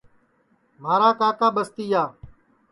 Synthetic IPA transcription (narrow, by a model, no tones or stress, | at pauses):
m̤aːɾaːkaːkaːɓəst̪iːjaː